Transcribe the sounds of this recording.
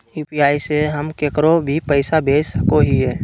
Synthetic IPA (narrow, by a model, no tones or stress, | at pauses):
juːpiaːiseɦəmkeːkəɾobʱipəɪsabʱeːsəkoɦiɦɛː